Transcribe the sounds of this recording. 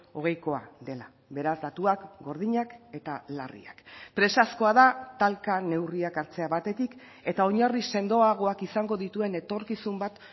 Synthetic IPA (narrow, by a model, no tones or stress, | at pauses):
o̞ɣ̞e̞jko̞a̰d̪e̞la | βe̞ɾazd̪at̪uakɡo̞ɾð̞iɲake̞t̪alarḭa̰kpɾe̞sasko̞aðat̪alkane̞wriakaɾt͡se̞aβat̪e̞t̪ik | e̞t̪ao̞ɲarise̞nd̪o̞aɣ̞o̞akisaŋɡo̞ðit̪ue̞ne̞t̪o̞ɾkisumbat̪